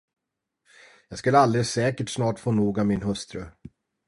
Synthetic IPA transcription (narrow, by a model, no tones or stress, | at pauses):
jɑːɡskɵləald̪esɛːkəʈsnɑːʈfoːnuːɡavmɪnhɵst̪ɾə